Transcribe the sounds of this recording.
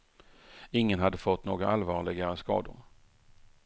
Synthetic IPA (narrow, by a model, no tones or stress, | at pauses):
ɪŋːənhad̪ːəfɔt̪ːnoːɡaʔalvɑːɭɪɡaɾəskɑ̰ːd̪ʊ̰ɾ